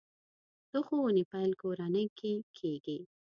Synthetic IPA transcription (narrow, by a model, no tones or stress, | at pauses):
t̪oxonipajlkoɾanəjkʰekʰeɡi